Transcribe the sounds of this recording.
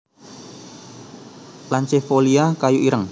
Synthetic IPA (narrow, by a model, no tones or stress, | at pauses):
laɲt͡ʃefoliakajuʔiɾəŋ